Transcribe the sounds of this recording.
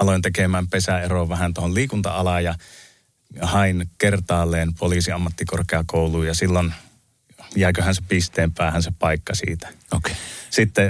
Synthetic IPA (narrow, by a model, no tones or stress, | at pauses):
ɑloint̪ekemæːmpesæeroʋʋæhænt̪oholliːkunt̪ɑ̰ɑlɑjjɑ | hɑinkert̪ɑːlːˑeːnpoliːsiɑmːɑt̪ːikorkeɑkoˑuluːjɑsilːon | jæˑikøhænsepist̪eːmpæˑːhænsepɑˑikːɑsḭːt̪æ̥okesit̪ːe